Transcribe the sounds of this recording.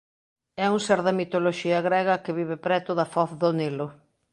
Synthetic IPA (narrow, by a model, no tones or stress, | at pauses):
ɛuŋseɾðɐmit̪oloʃiɐɣɾɛɣɐkɪβiβɪpɾɛt̪ʊðɐfɔθðonilʊ